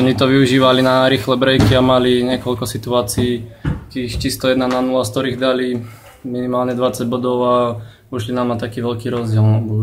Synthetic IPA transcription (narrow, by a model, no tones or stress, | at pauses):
ɔɲit̪ɔʋiuʒiːʋalinaɾiːxlɛbɾɛjkiamaliɲɪɛkɔlkɔsit̪uaːt͡siiːt̪iːxt͡ɕist̪ɔjɛd̪nananulast̪ɔɾiːɣd̪ali | minimaːlɲɛd̪ʋat͡saɟbɔd̪ɔʊa | uʃlinamnat̪akiːʋɛlkiːɾɔzɟɪɛlnabɔ